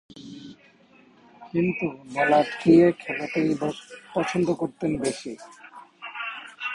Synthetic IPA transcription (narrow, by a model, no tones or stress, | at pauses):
kint̪ubɔlaɾkiekʰɛlat̪ejbɔpɔt͡ɕʰond̪okoɾt̪enbeʃi